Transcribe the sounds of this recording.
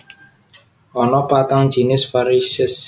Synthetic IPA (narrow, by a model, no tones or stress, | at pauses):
ʔɔnɔpat̪aŋd̥ʒ̥i̤nɪsfaɾisɪs